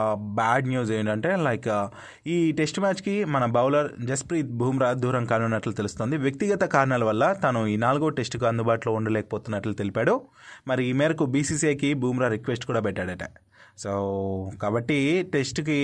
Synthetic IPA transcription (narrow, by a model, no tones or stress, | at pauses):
baːɖnjuːzeːɳɖɐɳʈe̞ːlɐjkɐ | iːʈe̞sʈmaːt͡ʃkimɐnɐbɐwlɐɾd͡ʒɐspɾiːt̪̚bʱuːmɾaːd̪ʱuːɾɐŋkaːnunːɐʈlut̪e̞lust̪o̞ːnd̪iʋjɐk̚t̪iɡɐt̪ɐkaːɾɐɳaːlɐʋɐlːɐt̪ɐnuiːnaːluɡoːʈe̞sʈkuɐnd̪ubaːʈloːuɳɖɐlɛːkɐ̥poːt̪unːɐʈlut̪elipaːɽumɐɾiːmɛːɾɐkubiːsiːseːkibʱuːmɾaːɾikʋesʈkuːɽaːpɛʈːaːɽɐʈɐ | soːkaːbɐʈːiʈe̞sʈki